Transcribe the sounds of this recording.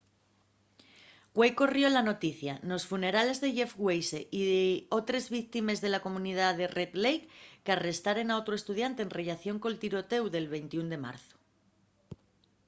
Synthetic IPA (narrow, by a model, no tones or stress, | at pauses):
ɡwe̞jko̞rjo̞lano̞t̪iθjano̞sfune̞ɾale̞zðe̞ʝe̞fɣwejse̞ʔiðo̞t̪ɾe̞zβik̚t̪ime̞zðe̞lako̞mũnið̞aðe̞rʔet̪lejkːeare̞st̪aɾe̞nao̞t̪ɾo̞e̞st̪uð̞jant̪eːnre̞ʎaθjo̞ŋko̞lt̪iɾo̞t̪e̞wðe̞lβe̞jnt̪iund̪e̞ma̰ɾθo̥